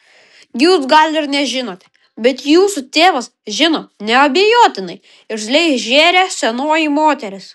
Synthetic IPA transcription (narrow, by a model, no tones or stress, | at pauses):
juːsɡɐlʲɪɾnʲɛʒʲɪnoːt̪ʲɛ | bʲɛt̪juːsʊt̪ʲeːʋɐsʒʲɪnoːnʲɛɐbʲeːjoːt̪ʲɪnɐɪ | ɪɾʒʲlʲɛɪʒʲeːɾʲeːsʲɛnoːjimoːt̪ʲɛɾʲɪs